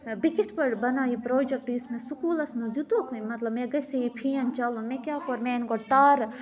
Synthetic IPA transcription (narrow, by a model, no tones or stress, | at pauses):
bikit̪ʰpɐɾbɐnaːipɾoːd͡ʒek̚ʈɪsmẽsukuːlɐsmɐzut̪okmɐt̪lɐbmẽɡɐseipʰijɐnt͡ʃɐlõmẽkʲjaːkoɾmẽɪnkoʈ̪aːɾ